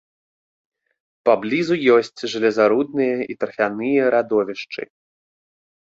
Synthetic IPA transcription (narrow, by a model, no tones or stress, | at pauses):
pablʲizujɔsʲt͡sʲʐɨlʲɛzaɾud̪nɨjɐit̪ɾfʲanɨjɐɾad̪ɔvʲiʂt͡ʂɨ̰